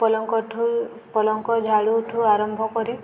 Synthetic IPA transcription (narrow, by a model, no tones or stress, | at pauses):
ɔlɔŋkɔʈʰu | pɔlɔŋkɔd͡ʒʱaɽuʈʰuaɾɔmbʱɔkɔɾi